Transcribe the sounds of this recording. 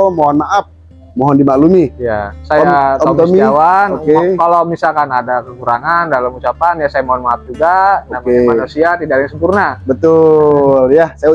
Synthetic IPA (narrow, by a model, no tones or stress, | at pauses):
moɦɔnmaʔap̚ | moɦɔndimalumiija̰sajat̪ɔt̪ɔmiawanokekalomisalkanadakəkuɾaŋandalamut͡ʃapanjasajamoɦɔnmaap̚d͡ʒuɡaonamemanusiat̪idaklaŋsəmpurnabət̪ʊljasaja